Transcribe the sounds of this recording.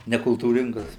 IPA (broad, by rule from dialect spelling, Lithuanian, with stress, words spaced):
nʲɛkʊlˠtuːˈrʲɪŋɡɐs